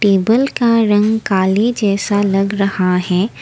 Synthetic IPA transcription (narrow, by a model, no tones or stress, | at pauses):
ʈeːbəlkaɾɐ̃ŋɡkaːlid͡ʒɛːsalɐɡɾɐhaɦɛː